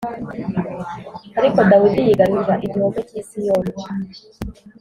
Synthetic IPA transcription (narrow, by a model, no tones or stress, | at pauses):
aɾiko̞dawidijiɡaɾizaʔiɡioɡeciːnsijoːn